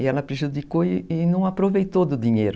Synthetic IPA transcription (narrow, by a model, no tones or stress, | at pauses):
ɪɛlɐpɾeʒud̪ikoɪːnɐ̃w̃apɾovejt̪od̪ʊd̪ĩɲejɾʊ